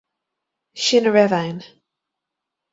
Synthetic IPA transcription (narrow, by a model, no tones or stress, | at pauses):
ʃɪnəɹɛðɛ̃ɪn